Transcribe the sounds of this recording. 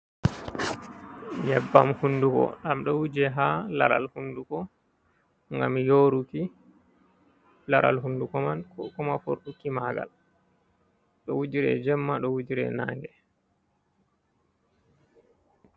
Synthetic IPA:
ɲɛbːamhundukɔ̰ɗamɗɔwud͡ʒɛɦalaɾa̰lhundukɔ | ŋɡamjoɾuki | laɾa̰lɦundukɔmankɔmafo̰ɾɗukːimaɡa̰l | ɗɔwud͡ʒiɾɛ̰d͡ʒɛmːaɗɔwud͡ʒiɾɛ̰naŋɡɛ

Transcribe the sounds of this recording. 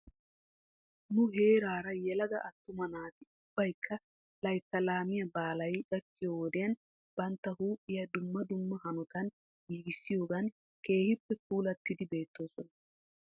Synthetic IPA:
nʊɦe̞ːɾaːɾɐjɛlɐɡɐʔɐt̪ːʊmɐnaːt̪ɪʊb̥ːɐjkʰːɐ | lɐjt̪ːɐlaːmɪjɐbaːlɐjᶑɐkːɪjoːwɔd̪ɪjɐn | b̥ɐnt̪ːɐhuːpʼːɪjɐd̪ʊmːɐd̪ʊmːɐhɐnɔt̪ɐn | jiːɡɪsːɪjo̞ːɡɐn | ke̞ːhɪpːɛk̚uːlɐt̪ːɪd̪ɪbe̞ːt̪ːo̞ːsɔnɐ

